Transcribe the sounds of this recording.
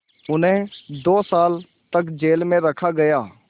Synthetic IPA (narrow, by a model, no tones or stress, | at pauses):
ʊnɦẽd̪oːsaːl | t̪əkd͡ʒeːlmẽɾɐkʰaɡɐjaː